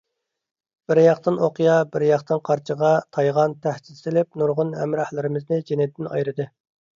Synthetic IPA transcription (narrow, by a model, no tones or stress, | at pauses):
b̥ɪɾjɑqt̪ɨnoqijɑbɪɾjɑqt̪ɨnqʰɑɾt͡ʃʰəʁɑt̪ʰɑjʁɑnt̪ʰæhsɪ̥t̪t̪ɪlɪp̚nuɾʁʊnhɛ̰mɾɑhlˠɪɾɪmɪznɪd͡ʒenɪd̪ɪnɑ̰jɾɨd̪ɨ